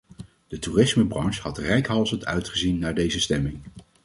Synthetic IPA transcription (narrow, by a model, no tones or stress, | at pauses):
d̥ətuːrɪsməbrɑnʃhɑtrɛjkɦɑlˠzəntœ̰ɥtχəzinːaːɹdejzəstɛmɪŋ